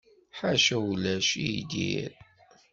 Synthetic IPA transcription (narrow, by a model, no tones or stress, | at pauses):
ħaʃælæʃijd̪ḭɾ